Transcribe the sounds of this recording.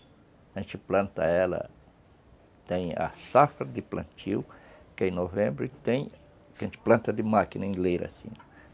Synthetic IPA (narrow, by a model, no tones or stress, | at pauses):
ẽt͡ʃɪplɐ̃nt̪ɐ̰ɛlɐ̰ | t̪ẽj̃ɐ̰safɾɐd̪ɪplɐ̰̃nt͡ʃiwkɪẽnovẽmbɾɪt̪ẽj̃ | kẽnt͡ʃɪ̥plɐ̃nt̪ɐd̪ɪmakinɐĩlejɾɐ̰sḭ̃n